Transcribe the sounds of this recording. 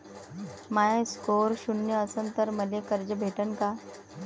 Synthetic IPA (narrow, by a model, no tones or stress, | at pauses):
majãskoɾɕunjəəsənt̪əɾməlekəɾd͡ʑəbʱeʈənka